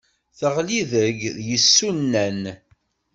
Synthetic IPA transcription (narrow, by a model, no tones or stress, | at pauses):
θəʁliðəʝðjəsːunːæn